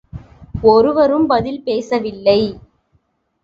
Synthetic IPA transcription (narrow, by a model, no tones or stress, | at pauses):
ɔɾɯʋɐɾɯmbɐðɪlpeːsɐʋɪlːɐɪ